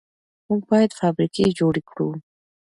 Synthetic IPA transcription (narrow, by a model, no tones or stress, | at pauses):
umkʰwaɛt̪fʰabɾikʰʼid͡ʒɔɾikʰɾu